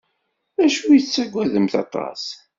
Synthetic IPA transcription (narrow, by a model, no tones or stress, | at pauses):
æʃujət͡sːæɡʷːæðəmθɑ̰t̪ˤɑ̰s